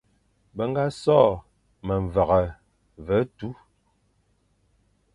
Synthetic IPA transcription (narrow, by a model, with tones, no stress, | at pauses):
bə˨ŋ̩˦ɡa˦sɔː˦˨ | mə˨ɱ˨va˨ɣə˨ | və˨˦tu˦